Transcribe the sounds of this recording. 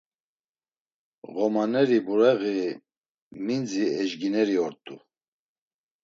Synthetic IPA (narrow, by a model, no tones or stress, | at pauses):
ɣɔmanɛɾibuɾɛɣi | mind͡ziɛʒɡinɛɾiɔɾt̪ʼu